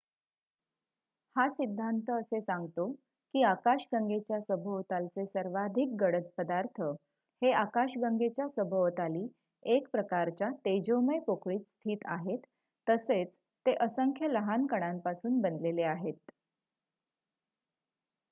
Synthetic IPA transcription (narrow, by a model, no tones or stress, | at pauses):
hasid̪ʱːant̪əəsesãŋɡt̪o | kiːakaɕɡəŋɡet͡ɕjasəbʱəʋt̪alt͡sesəɾʋad̪ʱik̚ɡəɽət̪̚pəd̪aɾt̪ʰə | heakaɕɡəŋɡet͡ɕjasəbʱəʋt̪aliː | ekpɾəkaɾt͡ɕat̪ed͡ʑoməjpokɭiːt̪st̪ʰiːt̪aɦet̪ː | əset͡s | t̪eʔəsəŋkʰjələɦankəɽ̃ampasuːnbənd̪leleaɦet̪